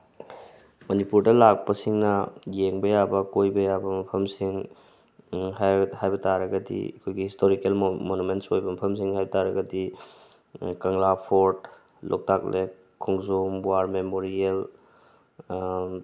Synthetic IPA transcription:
mɐnipuɾdɐlak̚pɐsiŋnɐjeŋbɐjabɐkojbɐjabɐmɐpʰɐmsiŋ | ɦahajbɐtaɾɐɡɐdḭɐ̰kʰojɡihistʰoɾikelmonumentsojbɐmɐpʰɐms̬iŋhajbɐtaɾɐɡɐdi | kɐŋlapʰoɾt | lʔo̰k̚tak̚le | kʰuŋzombwaɾmemoɾiel

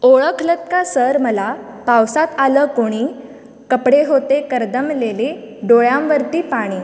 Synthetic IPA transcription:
oɭəkʰlət̪̚kasəɾməlapawsat̪aləkoɽ̃i | kəpɽeɦot̪ekəɾd̪əmlele | ɖoɭjamʋəɾt̪iːpaɽ̃iː

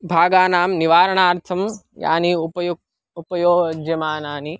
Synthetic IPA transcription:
bʱaːɡaːnaːmniʋaːɾɐɳaːɾt̪ʰɐmja̰ːniupɐjuɡ̚ | upɐjoːɡd͡ʒjɐmaːnaːni

